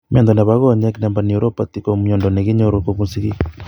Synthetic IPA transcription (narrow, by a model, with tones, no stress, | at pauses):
mḛ˨nd̪ɔ˨na˨βaɣɔ˦˨ɲa˦ki˦na˨mba˨ni˨o˨ɾo˦pa˨t̪i˦ko˨mu˨ɲɔ˨ndɔ˨ne˨ɣi˦ɲo˨ɾo˨ko˨βu˦nsi˦ɣi˦